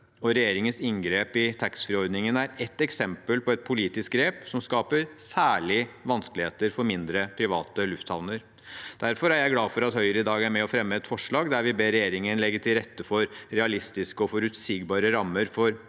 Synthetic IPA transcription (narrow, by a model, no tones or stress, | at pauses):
ɔɾɛjeːɾɪŋənsɪŋɡɾeːpɪt̪ʰɑksfɾɪɔɾd̪nɪŋənæɾɛt̪ːɛksɛmpəlpʰɔɛt̪̚pʰʊliːt̪ɪsk̚ɡɾeːpsɔmskɑːpəɾsæːɭɪʋɑnskəlɪheːt̪əɾfɔɾmɪnd̪ɾəpʰɾɪʋɑːt̪əlʉft̪sɑʋnəɾ | d̪̥æɾfɔɾæɾjæɪɡlɑːfɔɾɑt̪hœʏəɾəɪd̪ɑːɡæɾmɛɔfɾɛmːəɛt̪fɔʂɭɑːɡd̪æɾʋɪbeːɾɛjeːɾɪŋənlɛɡːəʈʰɪlɾɛt̪ːəfɔɾɾɛɑlɪst̪ɪskəɔfɔɾʉt̪siːɡbɑːɾəɾɑmːəɾfɔɾ